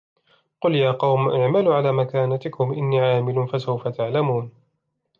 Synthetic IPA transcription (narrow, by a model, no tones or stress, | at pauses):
qʊljaːqɑwmʔaʕmalʊʕalaːmakaːnat̪ɪkʊmʔɪnːiːʕaːmɪlʊnfasawfat̪aʕlamuːn